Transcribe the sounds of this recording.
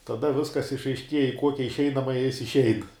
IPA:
tɐˈdɐ ˈʋʲɪskɐs ɪʃɐɪʃʲˈkʲiɛjɛ ɪ ˈkuɔkʲɛ ɪʃʲˈɛɪnɐmɐjɛ ˈjɪs ɪʃʲˈɛɪn

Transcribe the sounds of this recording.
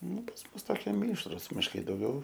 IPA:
ˈnʊ pɐs ˈmʊs toːˈkʲiɛ ˈmʲiːʃrʊs mʲɪʃˈkɐɪ dɐʊˈɡʲɛʊ

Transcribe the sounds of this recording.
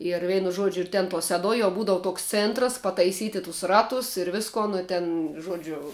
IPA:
ɪr ˈʋʲɛɪnʊ ˈʒuɔd͡ʒʲʊ ɪr ˈtʲɛn tuɔ sʲɛˈduɔj jɛʊ ˈbuːdɐʋʊ ˈtoːks ˈt͡sʲeːntrɐs pɐtɐɪˈsʲiːtʲɪ tʊs ˈrɑːtʊs ɪr ˈʋʲɪskoːn ɪ ˈtʲɛn ˈʒuɔd͡ʒʲʊ

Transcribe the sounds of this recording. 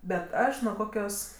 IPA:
bʲɛt ˈɐʃ nuɔ ˈkoːkʲoːs

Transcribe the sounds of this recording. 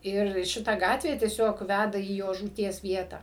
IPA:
ˈɪr ˈʃʲɪtɐ ˈɡɑːtʲʋʲeː tʲiɛˈsʲoːk ˈʋʲædɐ iː ˈjoː ʒuːˈtʲiɛs ˈʋʲiɛtɑː

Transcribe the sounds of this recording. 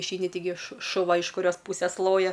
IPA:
ɪʃʲˈɛɪnʲɪ tʲɪˈɡʲɪ ʃʊ ʃʊˈʋɐ ɪʃ kʊˈrʲoːs ˈpuːsʲɛs ˈlˠoːjɛ

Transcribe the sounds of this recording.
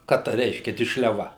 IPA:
ˈkɑː ˈtɐ ˈrʲɛɪʃʲkʲɛ dʲɪʃʲlʲɛˈʋɐ

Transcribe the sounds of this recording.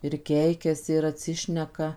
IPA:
ɪr ˈkʲɛɪkʲɛsʲɪ ɪr ɐtʲˈsʲɪʃʲnʲɛkɐ

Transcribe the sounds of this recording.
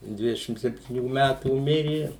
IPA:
ˈdʲʋʲɪdʲɛʃʲɪm sʲɛpʲtʲiːˈnʲuː ˈmʲætuː ˈmʲɪrʲɪ

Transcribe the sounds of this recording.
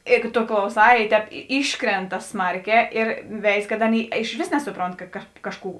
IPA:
ˈeːɡʊ toː klˠɐʊˈsɑː ɪ ˈtʲɛːp ˈiːʃkrʲɛntɐ ˈsmɐrʲˌkʲɛː ɪr ˈʋʲɛɪs kɐt ˈɑːˌnʲeːɪ ɪʃʲˈʋʲeːs ˈnʲæːsʊˌproːnt kɐ kɐt ˈkɑːʃˌkuː

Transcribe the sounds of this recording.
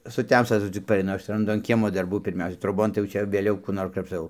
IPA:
sʊˈtʲɛmstɐ tɐˈdʊ t͡sʲɪk pɐrʲɛɪˈnʊ ˈɐʃ rɐnˈdʊ ɐn ˈkʲiɛmoː dɐrˈbuː pʲɪrʲˈmʲɛʊsʲɛ troːˈboːn tɐɪ jɛʊ ˈt͡ʃʲɛ ʋʲeːˈlʲɛʊ ˈkuː ˈnoːr krɐpʃˈtɐʊ

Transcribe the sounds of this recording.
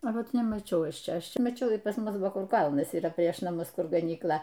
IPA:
ɐ ˈʋɐt nʲɛmɐˈt͡ʃʲɛʊ ˈɐʃ ˈt͡ʃʲɛ ˈɐʃ ˈt͡ʃʲɛ mɐˈt͡ʃʲɛʊ ɪr pɐs ˈmʊs bʊʋoː ˈkʊr ˈkɐlˠnɐs iːˈrɐ pʲrʲiɛʃ nɐˈmʊs ˈkʊr ɡɐnʲiːkˈlˠɐ

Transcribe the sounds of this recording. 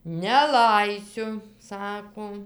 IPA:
nʲɛˈlˠɐɪsʲʊ ˈsɑːkoː

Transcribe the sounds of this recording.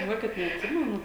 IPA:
ʒʲɪˈnuɔkʲɪt nʲɛɐtʲˈsʲɪmʲɛnʊ

